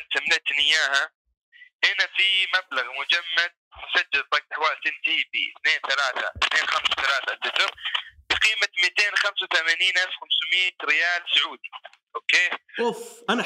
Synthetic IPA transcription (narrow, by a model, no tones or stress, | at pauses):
nt̪amnɪt̪nɪjaːha | ʔɪnafimablaɣmʊd͡ʒamːad̪̚mʊsad͡ʒːalðˤɑɡ̚t̪ɪħwaːlt̪ɪnt̪iːbḭθneːnθalaːθa̰ʔɪθneːnxamsawθalaːθat̪ːɪt̪ɪɾˤbɪqiːmamit̪eːnxamsawθamaːniːnʔalfxamsmiːt̪ɾɪjaːlsʊʕuːd̪i | ʔoːkeːfʔa